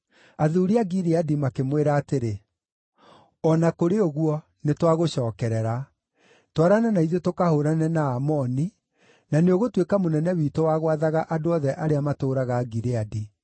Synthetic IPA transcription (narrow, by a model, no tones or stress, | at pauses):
aðuːɾiaɡiɾeadimakemweɾaːteɾe | ɔnakoɾeoɣwɔ | netwaɣoɕɔːkɛɾɛɾa | twaɾananaiðetokahoɾanɛnaːmɔni | naneoɣotwekamonɛnɛwiːtowaɣwaðaɣaʔadoɔðɛʔaɾeamatoːɾaɣaːɡiɾeadi